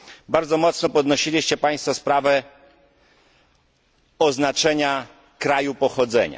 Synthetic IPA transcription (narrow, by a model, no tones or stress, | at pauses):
baɾd̪zɔmɔt̪snɔpɔd̪nɔɕilʲiɕt͡ɕɛpaj̃st̪fɔspɾavɛ | ɔznat͡ʂɛɲa | kɾajupɔxɔd̪zɛ̰ɲa̰